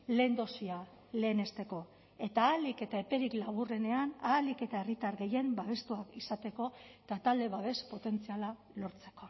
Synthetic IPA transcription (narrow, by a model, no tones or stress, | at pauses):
le̞nd̪o̞sia | le̞ːne̞st̪e̞ko̞ | e̞t̪aːlike̞t̪ae̞pe̞ɾiklaβ̞ure̞ne̞anaːlike̞t̪ae̞rit̪aɾɣe̞je̞mbaβ̞e̞st̪uakisat̪e̞ko̞t̪at̪ald̪e̞βaβe̞spo̞t̪e̞nt͡siala | lo̞ɾt͡se̞̥ko̞